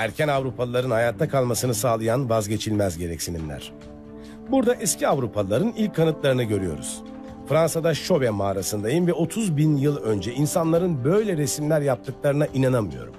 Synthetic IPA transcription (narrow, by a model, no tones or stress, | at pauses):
æɾcʰænavɾupʰalˠɯlˠaɾɯnhajaːt̪ʰːakʰalˠmasɯnɯsaːlˠɯjanvazɟe̞t͡ʃʰilʲmæzɟe̞ɾɛcsininlʲæ̰ɾ̥ | buɾd̪aʔɛscʰiavɾupʰalˠaɾɯnilʲc̚ʰːanɯt̪lˠaɾɯnɯɟø̞ɾyjo̞̰ɾṵz̥ | fɾansad̪aʃo̞vɛmaːɾasɯnd̪ajɯnvɛo̞t̪ʰuzbinjɯlˠø̞nd͡ʒɛʔinsanlˠaɾɯnbø̞jlʲɛɾesimlʲæɾjap̚t̪ʰɯklˠaɾɯnaʔinanamɯjo̞̰ɾṵm